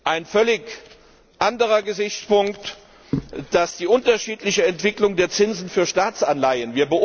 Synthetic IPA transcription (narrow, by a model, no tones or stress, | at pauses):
ʔaɪnfœlɪç | ʔandəʁɐɡəzɪçt͡spʊŋkt | d̥asd̥iːʔʊntɐʃiːtlɪçəɛntv̥ɪklʊŋdeːɐt͡sɪnzn̩fyːɐʃtaːt͡sanlaɪənviːɐbəʔ